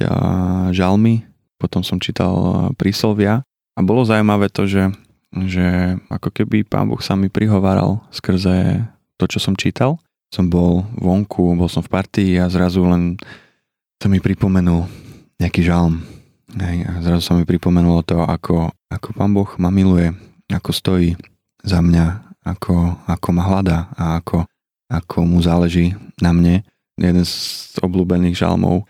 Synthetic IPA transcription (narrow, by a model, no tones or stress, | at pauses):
ʒalmi | pɔt̪ɔmsɔmt͡ʃiːt̪a̰lˠpɾislɔʋɪa | abɔlɔzawumaʋɛːt̪ɔʒɛ | ʒɛʔa̰kɔkɛbipa̰ːnbɔ̰xsamipɾiɦɔʋaːɾa̰lˠskr̩zɛ | t̪ɔt͡ʃɔsɔmt͡ʃiːt̪alˠ | sɔmbɔlʋɔŋkʰubɔlˠsɔmfpaɾt̪iiazɾazulɛn | samipɾipɔmɛnulɲɛakiːʒalm | ɦɛjazɾazusamipɾipɔmɛnulat̪ɔʔa̰kʰɔakʰɔpaːnbɔxmamilujɛ | akɔst̪ɔjiː | zamɲaakʰɔakʰɔmaɦlad̪aaakʰɔ | akʰɔmuzaːlɛʒiːnamɲɛ | jʔɛd̪ɛnzɔ̰bluːbɛniːɣʒa̰lˠmɔ̰ʊ